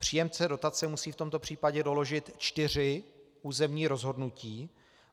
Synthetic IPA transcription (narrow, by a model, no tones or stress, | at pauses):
pr̝̥iːjɛmt͡sɛdo̞t̪at͡sɛmusiːft̪o̞mt̪o̞pr̝̥iːpaɟɛdo̞lo̞ʒɪt̪t͡ʃt̪ɪr̝ɪ | uːzɛmɲiːɾozɦo̞dnuciː